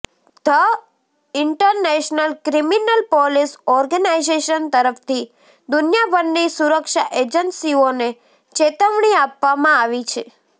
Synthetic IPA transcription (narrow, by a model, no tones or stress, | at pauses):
d̪ʱə | ɪɳʈəɾneʃnəlkɾiminəlpɔlisɔɾɡənaizeʃənt̪əɾəft̪ʰi | d̪unjabʱənːisuɾəkʃaʔed͡ʒənsione | t͡ʃet̪əʋɳ̃iapʋamãaʋit͡ʃʰe